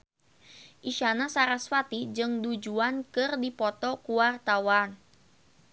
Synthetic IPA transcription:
ʔiʃanasaɾaswat̪id͡ʒɨŋdud͡ʒuankɨrdipɔt̪ɔkuwart̪awan

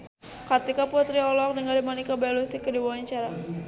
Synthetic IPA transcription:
kət̪ikapuat̪ɾiɔlɔk̚dəŋalimanikabalusikədiwawaɲt͡ʃaɾa

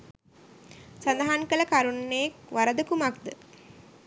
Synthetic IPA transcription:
sand̪aɦaŋkələkaɾunːeek̚ʋaɾəd̪əkumakd̪ə

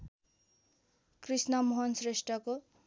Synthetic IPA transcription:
krisnʌmoɦʌnsresʈrʌko

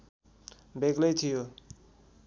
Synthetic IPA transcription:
bʱeɡlʌjt̪ʰijo

